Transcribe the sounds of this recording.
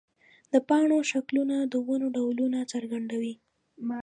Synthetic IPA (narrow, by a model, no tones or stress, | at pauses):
d̪̥əpɑɳ̃oʃaklunad̪əwanoɖawlunat͡səɾɡaɳɖ̪awi